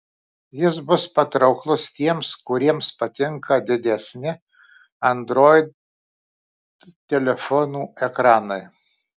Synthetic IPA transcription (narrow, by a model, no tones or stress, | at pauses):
jɪsbʊspɐt̪ɾɐʊklˠʊst̪ʲiɛmskʊɾʲiɛmspɐt̪ʲɪŋkɐd̪ʲɪd̪ʲɛsʲnʲɪ | ɐnd̪ɾoːjɪd̪ | t̪ʲɛlʲɛfɔnuːɛkɾɑːnɐɪ